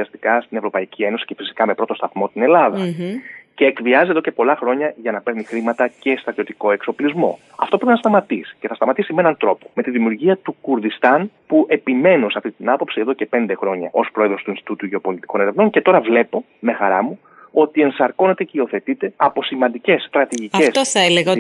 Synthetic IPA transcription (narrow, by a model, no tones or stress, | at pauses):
ɐst̪i̥kɐst̪ine̞vɾo̞pɐicʰie̞no̞si̥ce̞fisi̥kɐmepɾo̞t̪o̞st̪ɐθmo̞t̪ine̞lɐðɐ | ce̞ːkviɐziðocepo̞lɐxɾo̞ɲɐʝɐnɐpe̞ɾnixɾimɐt̪ɐce̞st̪ɾɐt̪io̞t̪iko̞e̞kso̞plizmo̞̰ | ɐ̰ft̪o̞pɾeinɐst̪ɐmɐt̪isi̥ce̞θɐst̪ɐmɐt̪isime̞nɐnt̪ɾo̞pome̞t̪iðimiuɾʝiɐt̪ukuɾðist̪ɐnpuʔe̞pime̞no̞sɐft̪itt̪inɐpo̞psieðo̞ce̞pe̞nd̪e̞xɾo̞ɲɐʔospɾo̞eðɾo̞st̪uinst̪it̪ut̪uʝe̞opo̞lit̪iko̞ne̞ɾe̞vno̞ŋcet̪o̞ɾɐvle̞po̞me̞xɐɾɐmu | o̞t̪ie̞nsɐɾko̞ne̞t̪e̞ceio̞θe̞t̪it̪e̞ɐpo̞simɐnd̪ice̞st̪ɾɐt̪iʝicɐesoθɐeleɣɐ